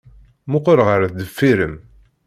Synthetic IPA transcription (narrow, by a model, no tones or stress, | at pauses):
mʊqoɾʁəɾθd̪əfːiɾəm